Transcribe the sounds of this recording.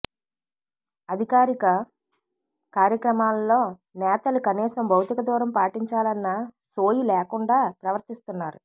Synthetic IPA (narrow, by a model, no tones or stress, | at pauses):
ɐd̪ʱikaːɾikɐ | kaːɾjɐkɾɐmaːlɐːo̞ː | nɛːt̪ɐlukɐniːsɐmbʱɐwt̪ikɐd̪ɔːɾɐmpaːʈiɲt͡ʃaːlɐnːɐ | so̞ːjileːkuɳɖaːpɾɐʋɐɾt̪ist̪unːaːɾu